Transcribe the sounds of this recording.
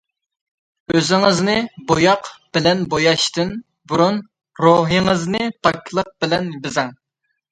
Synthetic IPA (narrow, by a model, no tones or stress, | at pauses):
øzɪŋəznɨbojɑqb̥ɪlɛnbojɑʃt̪ɨn | buɾun | ɾoɦɨŋəznɨt̪ʰɑkʰʲlˠəq̚bɪlɛnbɪzɛŋ